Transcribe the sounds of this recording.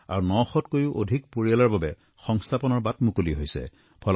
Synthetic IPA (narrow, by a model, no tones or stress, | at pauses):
a̰ɹunɔxɔtkojʊʔo̰dʱik̚poɹialaɹbabɛ | xɔŋstʰapɔnɔɹbatmukoliɦojsɛ̰ | pʰɔl